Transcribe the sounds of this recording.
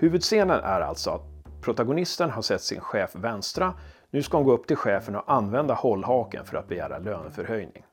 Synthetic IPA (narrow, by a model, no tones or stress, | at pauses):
hʉ̟ːvɵd̪seːnənʔæɾa̰lt̪sɔat̪̚pʰɾʊt̪aɡʊnɪst̪ənɦaʂɛt̪ːsɪ̰nɧɛːfvɛnst̪ɾanʉ̟ːskaʊnɡoːɵp̚ːt̪ʰɪlɧɛːfənɔʔanːvɛnd̪ahɔlːhɑːkə̰nfœɾa̰t̪̚bɛjæ̰ːɾa̰løːnfœɾhœjnɪ̰ŋ